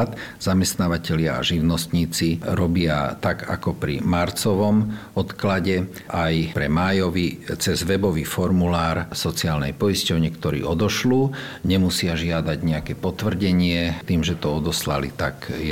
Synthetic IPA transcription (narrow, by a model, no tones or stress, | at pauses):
t̪z̥amɛst̪naːʋacɛlɪaa̰ʒiʊnɔst̪ɲiːt͡siɾɔbɪat̪aɡa̰kɔpɾḭmaɾt͡sɔʋɔm | ɔt̪klaɟɛ | ʔajpɾɛmaːjɔʋit͡sɛzʋɛbɔʋiːfɔɾmulaːɾsɔt͡siaːlnɛjpɔiscɔʊɲɪɛkt̪ɔɾḭːɔd̪ɔʃluːɲɛmusɪaʒɪad̪aɟɲɛakɛːpɔt̪ʋr̩ɟɛɲɪɛt̪iːmʒɛt̪ɔɔd̪ɔslalit̪aɡjɛ